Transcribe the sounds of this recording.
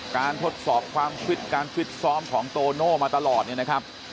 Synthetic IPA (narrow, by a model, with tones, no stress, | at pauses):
kaː˧nt̪ʰo˦˥t̪̚sɔː˨˩p̚kʰwaː˧mkʰi˦˥t̪̚kaː˧nkʰi˦˥t̪̚sɔː˦˥mkʰɔː˩˦ŋt̪oː˧noː˥˩maː˧t̪a˧lɔː˨˩t̪̚ni˥˩na˦˥kʰa˦˥p̚